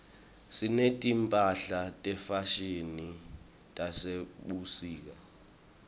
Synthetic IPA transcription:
sinetʼimpʼaɬatʼɛfaʃini | tʼaseɓusiːk̬a

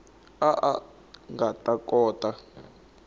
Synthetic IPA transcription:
aʔa | ŋɡatʼakʼɔːtʼa

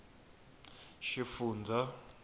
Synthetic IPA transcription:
ʃifuːnd͡zʱa

